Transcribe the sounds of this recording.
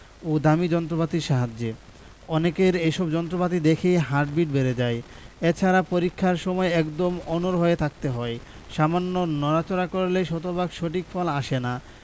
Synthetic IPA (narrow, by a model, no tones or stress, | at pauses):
od̪amid͡ʑɔnt̪ɾopat̪iʃaɦad͡ʑːe | ɔnekeɾeʃɔbd͡ʑɔnt̪ɾopat̪̬id̪ekʰejɦaɾʈ̚biʈbeɾed͡ʑae | et͡ɕʰaɾapoɾikʰːaɾʃɔmɔeɛkd̪omɔnoɾɦoet̪ʰak̚t̪eɦɔe | ʃamanːonɔɾat͡ɕoɾakoɾelejʃɔt̪obaɡʃoʈikfʰɔlaʃena